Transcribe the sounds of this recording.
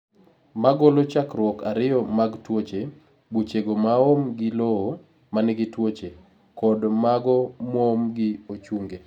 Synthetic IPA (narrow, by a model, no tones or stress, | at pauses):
maɡolot͡ʃakɾwɔkaɾɪjɔmaɡtwot͡ʃe | but͡ʃeɡomaomɡɪloo | manɛɡɪtwot͡ʃe | kɔdmaɡɔmɔːmɡɪot͡ʃuŋɡe